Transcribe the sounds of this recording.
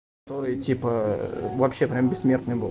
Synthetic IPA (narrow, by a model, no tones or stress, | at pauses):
kɐt̪o̞ɾɨjtʲipəvɐpɕːe̞pɾʲambʲɪssmʲe̞rt̪nɨjbɨlˠ